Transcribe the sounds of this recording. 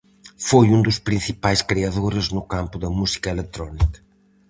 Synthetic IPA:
fojund̪ʊspɾĩnθipajskɾiɐðoɾeznʊkampʊðɐmusi̥kɐelet̪ɾɔnikɐ̥

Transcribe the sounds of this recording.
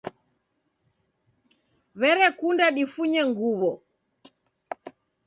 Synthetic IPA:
βɛɾɛkundaɗifuɲɛŋɡuβɔ

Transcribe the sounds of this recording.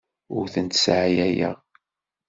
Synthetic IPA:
ʊɾθənt̪sʕjæjə̰ʁ

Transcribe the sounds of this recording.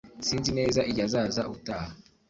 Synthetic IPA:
siːnzine̞ːzaʔiɟazaːzaʔutaha

